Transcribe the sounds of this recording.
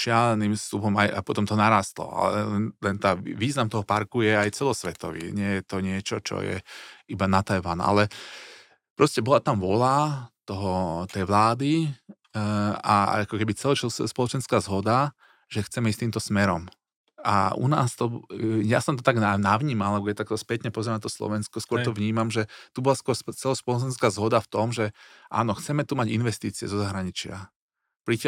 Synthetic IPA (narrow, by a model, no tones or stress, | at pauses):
ʒɪalɛnimst̪upɔmajʔa̰pɔt̪ɔmt̪ɔnaɾaːst̪lɔ̰a̰lɛ̰ɛnt̪ɛnt̪aʋiːznamt̪ɔɦɔpaɾkujɛajt͡sɛlɔsʋɛt̪ɔʋḭɲɪɛjɛt̪ɔɲɪɛt͡ʃɔt͡ʃɔ̰jɛ̰ibanat̪ajʋanɛ̰ʔa̰lɛ | pɾɔscɛbɔlat̪amʋɔlat̪ɔɦɔt̪ɛjʋlaːd̪i | aakɔkɛbit͡sɛlɔɛspɔlɔt͡ʃɛnskaːzɦɔd̪a | ʒ̥ɛxt͡sɛmɛist̪iːmt̪ɔsmɛɾɔ̰m | a̰ṵna̰ːst̪ɔja̰sɔmt̪ɔt̪aɡ̪anaʋɲiːmalabɔjɛt̪akt̪ɔspɛt̪ɲɛpɔzɛɾanat̪ɔslɔ̰ʋɛnskɔskʊɔɾɾt̪ɔʋɲiːmamʒɛt̪ubɔlaskʊɔɾst͡sɛlɔspɔlɔt͡ʃɛnskaːzɦɔd̪aft̪ɔmʒɛʔa̰ːnɔxt͡sɛmɛt̪umaɟinʋɛst̪iːt͡siɛ̰zɔzaɦɾaɲit͡ʃɪa | pɾic